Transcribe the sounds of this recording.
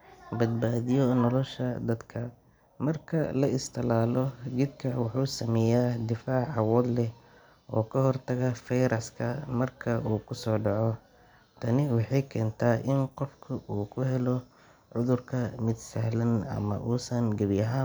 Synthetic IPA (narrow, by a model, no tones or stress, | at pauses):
bɐd̪̚baːðɪjɔnɔlɔʃɐd̪ɐd̪kʰɐ | mɐrkʰɐ̰lɐɪst̪ʰɐlaːlɔɡɪd̪kʰɐwɑħuːsɐmɛjaːd̪ɪfaːʕɑwɔd̪lɛ | ʔɔːkʰɐɦɔrt̪ʰɐɣɐfɛjɾɐskʰɐmɐrkʰɐuːkʰʊsɔːɖɑʕɔ | t̪ʰɐnɪwɑħɑjkʰɛːnt̪ʰaːʔɪnqɔfkʰɐʔuːkʰʊɦɛlɔ | ʕʊðʊrkʰɐmɪd̪sɐhlɐnɐ̰mɐ̰ʔuːsɐnɡɐβjɐɦaː